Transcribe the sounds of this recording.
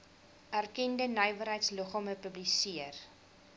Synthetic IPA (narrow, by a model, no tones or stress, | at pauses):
ʔærkɛndənəjvərɦəjtsləχɔməpəblisiər